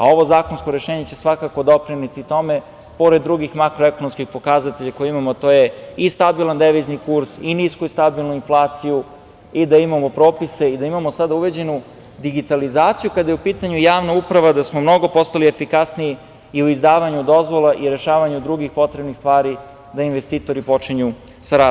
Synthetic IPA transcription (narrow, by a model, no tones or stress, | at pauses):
a̰o̞ʋo̞zaːko̞nsko̞ɾe̞ʃeːɲet͡ɕe̞sʋakako̞d̪o̞pɾinit̪it̪o̞me̞ | po̞ɾed̪ːɾuɡixmakɾoeko̞nomskixpo̞kazat̪e̞ʎako̞jeimamoat̪oje̞ist̪abilˠand̪eʋiznikuɾsiniskuist̪abilˠnuinflˠaːt̪siju | id̪aimamo̞pɾo̞ːpise̞id̪aimamo̞sad̪auʋe̞d͡ʑe̞nu | d̪iɡit̪alizaːt̪sijukad̪ajeupiːt̪aɲujaːʋnaupɾaʋad̪asmo̞mno̞ɡo̞po̞st̪alie̞fikasniji | iuizd̪aːʋaɲud̪o̞zʋo̞laʔiɾe̞ʃaːʋaɲud̪ɾuɡixpo̞t̪ɾebnist̪ʋaːɾi | d̪ainʋest̪iːt̪o̞ɾipo̞t͡ʃiɲu | saɾaː